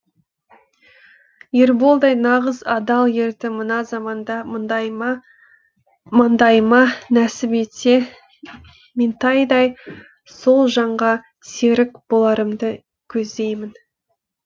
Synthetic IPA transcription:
jeɾbo̞lˠd̪ɑjnɑʁəzɑd̪ɑlˠje̞ɾt̪ɪmənɑzɑmɑnd̪ɑ | mɑnd̪ɑjmɑnæsɪbet̪se | me̞nt̪ʰɑjd̪ɑj | so̞lˠʒɑɴʁɑ | se̞ɾɪkb̥o̞lˠɑɾəmd̪ə | kʲʰɵzd̪e̞jmɪn

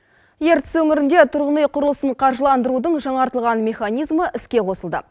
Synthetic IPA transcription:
je̞ɾt̪ɪ̥swɵŋɪɾɪnd̪e̞t̪ʰʊɾʁənejqʰʊɾəlˠəsəɴqʰɑɾʒəlˠɑnd̪əɾud̪əɴʒɑɴɑɾt̪əlˠʁɑnmʲe̞χanijzməʔɪskʲe̞qʰo̞səlˠd̪ə̰

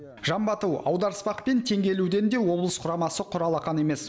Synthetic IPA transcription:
ʒɑmbɑt̪əwɑ̰wd̪ɑɾəspɑqpe̞nt̪ʰe̞ŋɡʲe̞luwd̪e̞nd̪e̞wo̞blˠəsqʰʊɾɑmɑsəqʰʊɾɑlˠɑqɑne̞me̞s

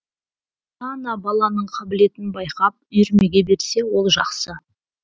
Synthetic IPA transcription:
t̪ɑnɑbɑlˠɑnəɴqʰɑbɪle̞t̪ɪnbɑjqɑp̚ʏjɾme̞ɡʲe̞be̞ɾse̞wo̞lˠʒɑqsə

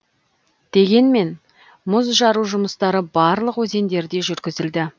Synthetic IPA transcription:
d̪̥e̞ɡʲe̞nme̞n | mʊzʒɑɾuʒʊməst̪ɑɾəbɑɾlˠəqwɵze̞nd̪e̞ɾd̪e̞ʒʏɾɡʲɪzɪld̪ɪ

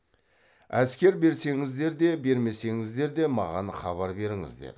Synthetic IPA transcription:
æskʲe̞ɾbe̞ɾse̞ŋɪzd̪e̞ɾd̪e̞be̞ɾme̞se̞ŋɪzd̪e̞ɾd̪e̞mɑʁɑnχɑβɑɾbe̞ɾɪŋɪ̰zd̪ḛɾ

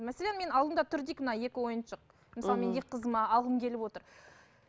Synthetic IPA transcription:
mːæselenme̞nɑlˠd̪əmd̪ɑt̪ʰʏɾd̪ijkmənɑje̞kʲɪwo̞jənʃəq̚ | məsɑlˠəme̞nd̪ek̚ʲqʰəzəmɑɑlˠʁəmkʲʰe̞lɪpwo̞t̪əɾ

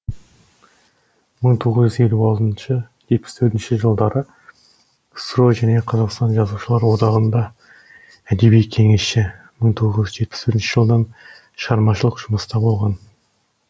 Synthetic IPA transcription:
məɴt̪ʰoʁəzʒʏze̞lʲːuɑlˠt̪ənʃə | ʒe̞t̪̚pɪ̥st̪ʰɵɾt̪ɪnʃɪʒəlˠd̪ɑɾə | sɾoʒæne̞qʰɑzɑqst̪ɑnʒɑzuʃəlˠɑɾwo̞d̪ɑʁənd̪ɑ | æd̪e̞bijkʲʰe̞ŋe̞sʃɪ | məɴt̪ʰoʁəzʒʲʏʒe̞t̪̚pɪ̥spʰɵʏɾɪnʃɪʒəlˠd̪ɑn | ʃʁɑɾmɑʃəlˠəqʒ̥ʊməst̪ɑbo̞lˠʁɑn

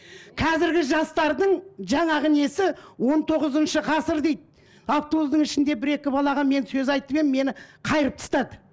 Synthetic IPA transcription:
qʰɑzɪɾɡʲɪʒɑst̪ɑɾd̪əɴʒɑɴɑʁɪne̞sɪwo̞nt̪ʰo̞ʁəzənʃəʁɑsəɾd̪e̞jd̪ | ɑft̪ozd̪əɴɪʃɪnd̪e̞bɪɾe̞kʲɪbɑlˠɑʁɑme̞nsɵzɑjt̪əpeme̞nɪqʰɑjəɾəp̚t̪ʰə̥st̪ɑd̪ə

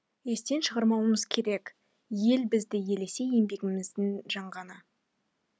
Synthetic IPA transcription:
e̞st̪e̞nʃəʁəɾmɑwəməzkʲʰe̞ɾe̞k | je̞lbɪzd̪ɪje̞le̞se̞je̞mbe̞ɡʲɪmɪzd̪ɪŋʒɑɴʁɑnə

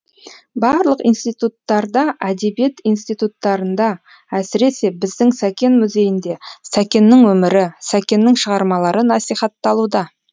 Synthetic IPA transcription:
bɑɾlˠəqijnst̪ijt̪ut̪ːɑɾd̪ɑʔæd̪e̞bije̞t̪inst̪ijt̪ut̪ːɑɾənd̪ɑ | æsɪɾe̞se̞bɪzd̪ɪŋsækʲe̞nmʊze̞jɪnd̪e̞sækʲe̞nːɪŋwɵmɪɾɪsækʲe̞nːɪŋʃəʁɑɾmɑlˠɑɾənɑsijχɑt̪ːɑlˠud̪ɑ

